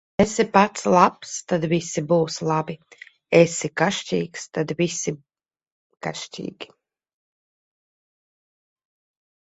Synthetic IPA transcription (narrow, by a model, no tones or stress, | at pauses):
esipat̪slˠapst̪ad̪visibuːslˠabi | esikaʃt͡ʃʲiːkst̪ad̪visi | kaʃt͡ʃḭːɡʲi̥